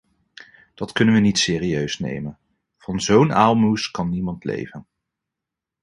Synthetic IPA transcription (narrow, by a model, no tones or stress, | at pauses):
d̥ɑtkɵnənʋənitsɪːriøɥsnḛjmən | v̥ɑnzownaːlˠmuskɑnːimɑntlḛjvən